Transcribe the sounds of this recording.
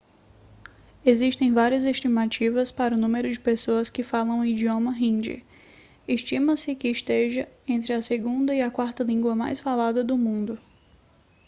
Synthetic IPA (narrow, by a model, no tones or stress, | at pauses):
eziʃt̪ẽj̃vaɾiɐzeʃt͡ʃimat͡ʃivɐspaɾɐʊnũmeɾʊd͡ʒɪpesoɐskɪfalɐ̃w̃id͡ʒiõmɐɦĩd͡ʒɪ̰ | eʃt͡ʃĩmɐ̃sɪkɪːʃt̪eʒɐẽnt̪ɾɪɐseɡũnd̪ɐiɐkwaɾt̪ɐlĩŋɡwɐma̰jsfalad̪ɐd̪ʊmũnd̪ʊ